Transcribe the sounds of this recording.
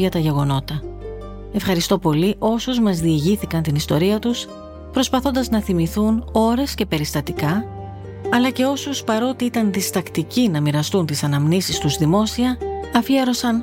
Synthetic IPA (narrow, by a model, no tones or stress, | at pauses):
ɐt̪ɐʝe̞ɣo̞no̞t̪ɐ | e̞fxɐɾist̪o̞po̞liʔo̞suzmɐzðieʝiθikɐnt̪inist̪o̞ɾiɐt̪us | pɾo̞spɐθo̞nd̪ɐznɐθimiθuno̞ɾe̞sce̞pe̞ɾist̪ɐt̪ikɐ | ɐlɐce̞o̞suspɐɾo̞t̪iit̪ɐnðist̪ɐkt̪icinɐmiɾɐst̪unt̪isɐnɐmnisist̪uzðimo̞siɐɐfieɾo̞sɐn